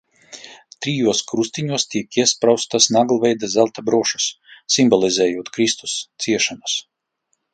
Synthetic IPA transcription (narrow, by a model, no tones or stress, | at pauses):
t̪ɾijuɔskɾust̪iɲuɔst̪ʲiɛkiɛspɾawst̪asnaɡlˠvʲɛjd̪azælˠt̪abɾuɔʃu̥sː | imbɔlʲˠizʲɛːjuɔt̪kɾist̪u̥st̪siɛʃanas